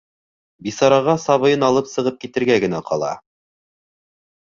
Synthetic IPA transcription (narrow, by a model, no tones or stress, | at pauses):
bisɑɾɑʁɑsɑβɤ̆jɤnɑlˠɤpsɤ̆ʁɤp̚kit̪ɘ̆ɾɡæɡɘ̆næqʰɑlˠɑ̰